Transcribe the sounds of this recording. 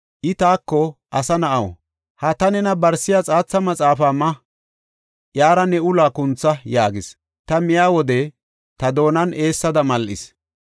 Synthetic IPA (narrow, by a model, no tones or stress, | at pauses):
ʔɪt̪aːkːɔʔɐsɐnɐʔɐwɔ̰ | hɐt̪ɐnɛnɐbɐɾsɪjat͡sʼaːt͡sːɐmɐt͡sʼaːfaːmːɐ | ʔjaːɾɐnɛʊlaːkʊnt͡sːɐjaːɡɪs | t̪ɐmɪjaːwɔd̪ɛ | t̪ɐd̪o̞ːnɐne̞ːsːɐd̪ɐmɐlʔɪ̰s